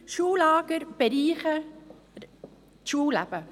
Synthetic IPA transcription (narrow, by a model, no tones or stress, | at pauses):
ʃuːlaːɡ̥əɾb̥eɾiːχə | tʃuːlæ̰b̥ə